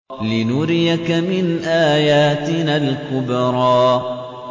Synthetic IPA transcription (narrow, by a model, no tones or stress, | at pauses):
lɪnʊɾɪjakamɪnʔaːjaːt̪ɪnaːlkʊbɾˤɑː